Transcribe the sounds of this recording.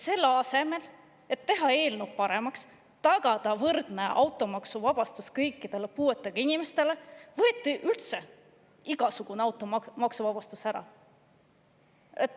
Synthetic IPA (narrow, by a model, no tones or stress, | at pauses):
se̞lːɑse̞me̞l | e̞t̪ːe̞ɦɑe̞ːlnup̚pɑɾe̞mɑks | t̪ɑɡ̥ɑd̪̥ɑvɤrd̪̥neʔɑwt̪ˑo̞mɑksuvɑb̥ɑst̪uskɤjkːˑid̪̥e̞le̞puːe̞t̪ːˑeɡ̥ɑinime̞st̪e̞le̞vɤ̞t̪ʲːiʔylt̪se̞ | iɡ̥ɑsuɡ̥uneɑwt̪ːˑommɑksuvɑb̥ɑst̪usæɾɑ̰ | e